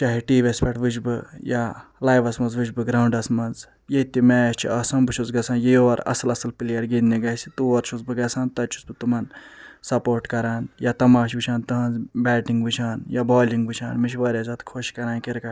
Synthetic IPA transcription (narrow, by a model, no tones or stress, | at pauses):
t͡ʃaːɦiʈiːʋʲespʲɐʈʋɨt͡ʃbɨjalaːjʋɐsmɐnzʋɨt͡ʃbɨɡɾaːwɳɖɐsmɐnz | jet̪imɛst͡ʃʰḭɐsɐmbɨt͡ʃʰuzɡɐsʰaːnjeoːɾɐ̰sɐlɐsɐlpilijɐɾɡid̪niɡɐsi̥t̪uʋɐɾt͡ʃʰuzbɨɡɐsaːnt̪ɐt͡ʃʰu̥sbɨt̪umɐnsɐpoːɾʈkɐɾaːnjat̪ɐmaːʃ̬ʋɨt͡ʃʰaːnt̪ɨɦɐnzbɛːʈiŋɡʋɨt͡ʃʰaːnjabɔːliŋɡʋɨt͡ʃʰa̰ːnmit͡ʃʰʋaːɾʲjaːzɐt̪kʰoʃkɐɾaːnkiɾkɐ